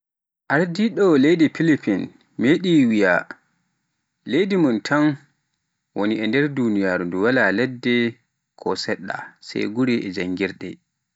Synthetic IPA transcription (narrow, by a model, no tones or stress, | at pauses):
ʔaɾdiɗɔlejdipilipin | meɗiwija | lejdimuntʰan | woniɛndɛɾdunijaːɾunduwalalɛdːɛ | kʰɔ̰sɛɗːa̰sa̰jɡuɾɛʔɛd͡ʒaŋːɡiɾɗɛ